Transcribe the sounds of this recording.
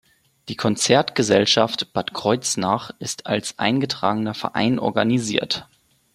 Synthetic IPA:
d̥iːkʰɔnt͡sɛɐtɡ̥əzɛlʃaftb̥atkʁ̥ɔʏt͡snaːχʔɪstʰa̰lsʔa̰ɪnɡətʁ̥aːɡənɐfɛ̰ɐʔa̰ɪnʔɔ̰ɐɡaniziːɐt

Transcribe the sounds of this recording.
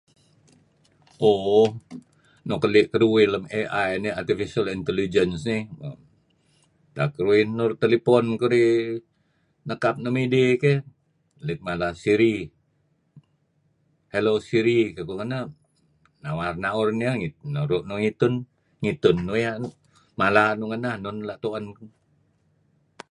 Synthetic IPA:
ʔo | nokəlikəɾuwiləmeʔajniart̪ifisialint̪elid͡ʒənsnihə̰m | t̪a̰kəɾuinːurt̪elipɔnkəɾi | nəkap̚nəmideke | lɪk̚malasiɾi | helosiɾikəkuŋənah | nawarnaurnəŋinuɾuʔnuŋit̪ʊn | ŋit̪ʊnːujanu | malanuŋənahnunlaʔt̪oanku

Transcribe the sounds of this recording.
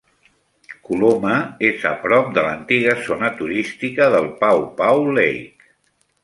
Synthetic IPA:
kuloməezə̰pɾɔp̚d̪ələnt̪iɣ̞əzonət̪uɾist̪ikəðəlˠpawpawlejk

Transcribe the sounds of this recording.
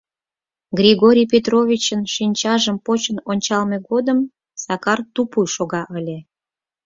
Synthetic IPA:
ɡrʲiɣoɾʲijpʲet̪rovʲit͡ɕənʃinʲt͡ɕɑʒəmpot͡ɕənonʲt͡ɕɑlmeɣod̪əm | sɑkɑrt̪upujʃoɣɑʔəlʲe

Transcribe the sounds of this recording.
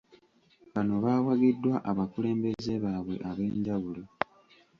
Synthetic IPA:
βano̞βaːwaɡidːwaʔaβakule̞ːmbe̞ze̞βaːβwe̞̰ʔaβe̞ːɲɟaβulo

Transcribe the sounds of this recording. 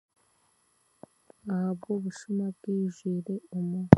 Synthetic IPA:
ahabɡoβuʃumabɡ̥iːʒwiːɾeumu

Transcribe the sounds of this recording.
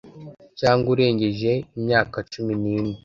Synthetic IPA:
caːŋɡuɾe̞ːɲɟeʒe̞imɲaːkat͡ʃuminiːni

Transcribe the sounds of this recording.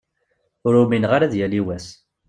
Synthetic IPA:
ʊɾuminʁaɾæðjæliwæs

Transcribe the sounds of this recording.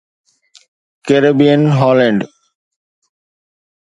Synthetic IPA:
keɾebiənɦɔleɳɖ

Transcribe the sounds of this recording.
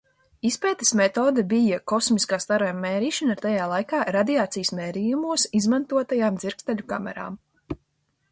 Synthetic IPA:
ispɛːt̪ɛ̥smɛt̪oːd̪ɛbijakɔsmiskaːst̪aɾɔjmːɛːɾiːʃanaɾt̪ajaːlˠajkaːɾad̪iaːt̪sijsmɛːɾijumuɔsizmant̪uɔt̪ajaːmd̪ziɾkst̪aʎʲuka̰mɛ̰ɾa̰ːm

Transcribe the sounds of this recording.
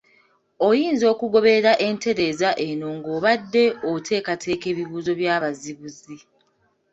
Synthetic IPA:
o̞jiːnzo̞ːkuɡo̞βeɾaʔe̞ːnte̞ɾe̞ːzaʔe̞no̞ŋɡo̞ːβadːe̞otʰe̞ːkatʰe̞ːke̞ːβiβuːzo̞βjaːβaziβuzi

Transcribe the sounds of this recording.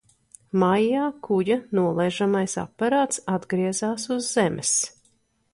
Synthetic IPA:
majːaːkʰujɐnuɔlˠɛʒamajsa̰pːaɾaːt̪sad̪ɡɾiɛzaːsuzːɛmʔɪs

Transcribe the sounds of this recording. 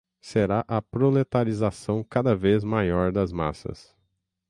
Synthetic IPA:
seɾaʔɐpɾolet̪aɾizasɐ̃w̃kad̪ɐvezmajɔɾd̪ɐzma̰sɐ̰s

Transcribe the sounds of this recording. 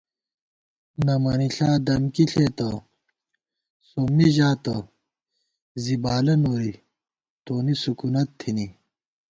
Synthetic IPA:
nɐmɐniɬaːd̪ɐmkiɬet̪ɐ | somiʑaːt̪ɐ | zibaːlɐnoːɾi | t̪oːnisukunɐt̪ʰːini

